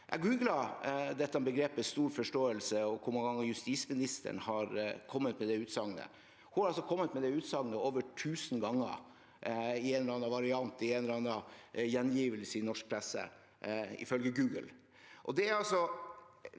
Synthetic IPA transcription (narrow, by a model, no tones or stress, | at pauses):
jʔæ̰ɡʉːɡlɑd̪ɛt̪ːəmbəɡɾeːpəst̪uːɾfɔʂʈoːəlsəɔkʰʊmuɡɑŋəjʉst̪iːsmɪnɪst̪ə̰ɳhɑɾkʰɔmːət̪mɛd̪ɛʉːt̪sɑŋnə̰ | huhɑɾɑlsɔkʰɔmːət̪mɛd̪ɛʉːt̪sɑŋnəoːʋəʈʰʉːsn̩ɡɑŋːə̰ɾ | ɪɛnəɾɑnɑʋɑɾɪɑnt̪ɪɛnɾɑnːɑjɛnjiːʋəlsəɪnɔʂk̚pʰɾɛsːə̰ | ɪ̰fœlɡəɡʉːɡəl | ʔɔd̪ɛæɾɑlsɔ